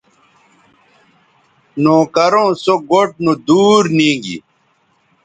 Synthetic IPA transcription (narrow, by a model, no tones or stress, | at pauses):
nõːkɐɾõːsoɡoʈ̚nud̪uːɾnĩːɡḭ